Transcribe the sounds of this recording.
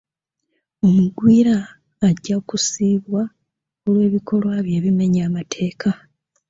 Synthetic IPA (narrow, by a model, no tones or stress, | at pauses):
omuɡwiːɾaː | ɟːakusiːβwa | olwe̞ːβikʰo̞lwaːβje̞ːβime̞ɲaːmatʰe̞ːkʰa